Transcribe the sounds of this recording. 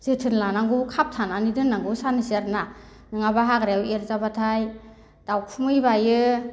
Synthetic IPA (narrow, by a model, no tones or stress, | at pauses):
z̥ɯtʰɯnlanaŋɡukʰap̚tʰananidɯnːaŋɡusanɯsiaɾna | nɯŋabaɦaɡɾaawelzabatʰaj | d̥awkʰumɯjbajɯ